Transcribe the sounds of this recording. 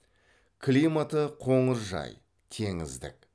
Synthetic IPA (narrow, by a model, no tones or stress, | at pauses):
kʲʰlijmat̪əqʰo̞ɴəɾʒɑ̰j | t̪ʰe̞ŋɪzd̪ɪ̰k